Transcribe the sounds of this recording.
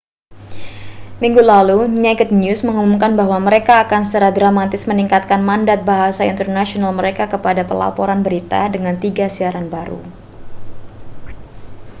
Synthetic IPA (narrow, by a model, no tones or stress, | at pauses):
miŋɡulaluɲaɡət̪̚njusməŋumumkanbaɦwaməɾekaːkansə̥t͡ʃaɾahdɾamat̪ɪsməniŋkat̪̚kanmandat̪̚baɦasaḭnt̪ərnasionalməɾekakəpadapəla̰pɔɾanbəɾit̪a̰dəŋant̪iɡasiaɾanbaɾṵ